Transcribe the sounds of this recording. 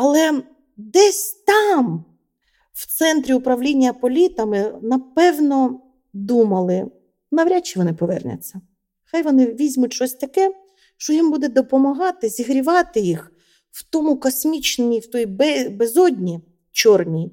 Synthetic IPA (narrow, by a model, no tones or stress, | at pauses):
ɐlˠɛ | d̪ɛsʲt̪ɑm | w̥t̪sɛnt̪ɾʲiʊpɾɐʋlʲinʲːɐpɔlʲit̪ɐmɪnɐpɛwnɔ | d̪umɐlˠɪ | nɐʋɾʲat͡ʃːɪʋɔnɪpɔʋɛ̰rnʲɐ̰t͡sʲːɐ | xɑjʋɔnɪʋʲizʲmʊtʲt͡ʃɔsʲt̪ɐkɛ | ʃt͡ʃɔjimbud̪ɛd̪ɔpɔmɐɦɑt̪ɪzʲiɦɾʲiʋɑt̪ɪjix | w̥t̪ɔmʊkɔsʲmʲit͡ʃnmʲiwt̪ɔjbɛbezɔd̪ʲnʲi | t͡ʃɔrnʲi